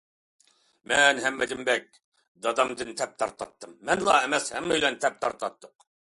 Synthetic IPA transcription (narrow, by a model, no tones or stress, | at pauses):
mɛnɦɛmːɛd͡ʒɪmbɛk̚ʲ | d̪ɑd̪ɑmd̪ɨnt̪ʰɛp̚t̪ʰɑɾt̪ˠɑ̰t̪ːɨmːɛnlˠɑɛmɛshɛmːɛjlɛnt̪ʰɛp̚t̪ʰɑɾt̪ɑt̪ːʊq